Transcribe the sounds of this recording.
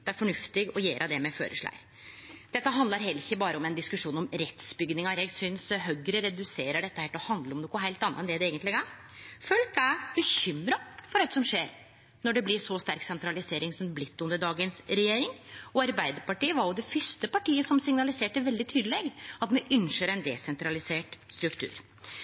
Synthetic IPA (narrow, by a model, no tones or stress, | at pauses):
d̪̥ɛæɾfɔɳʉft̪ɪɡɔjeːɾʔɑd̪ɛmɛfø̰ːɾə̰ʂɭæ̰ɪ | d̪̥ɛt̪ːəɦɑnd̪ɑɾɦɛlɪçːəbɑːɾəɔmɛnd̪ɪskʉʂuːnɔmɾɛt̪sbʏɡnɪŋɑɾjæɡsʏnsɦœɡɾəɾɛd̪ʉseːɾəɖɛt̪ːəhæːʈɔhɑnd̪ləɾɔmnoːkːʊɦæɪlt̪ɑnːəɛnd̪ɛd̪ɛeːɡənt̪lɪɡɑ | følkæbəçʏmɾɑfɔɾɑəsɔmʂeːɾ | nɔɖɛblɪsɔst̪æɾksɛnt̪ɾɑlɪseːɾɪŋsɔmblɪt̪ːʉnd̪əɖɑːɡənsɾɛjeːɾɪŋɔɑɾbæɪd̪əɾpɑʈiːəʋɑɾjʊd̪ɛfʏɾʂt̪əpɑʈiːəsɔmsɪŋnɑlɪseːʈəʋɛld̪ɪt̪ʰyːd̪əleːɡɑt̪mɛʔʏnʂəɾɛnd̪ɛ̰sɛnt̪ɾɑlɪseːʈst̪ɾʉkt̪ʰʉ̰ːɾ